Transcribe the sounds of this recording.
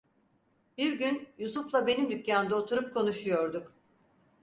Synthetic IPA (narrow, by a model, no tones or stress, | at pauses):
biɾɟynjusuflˠabe̞nimd̪ypʲːaːmd̪aot̪ʰuɾup̚kʰo̞nuʃujo̞ɾd̪uk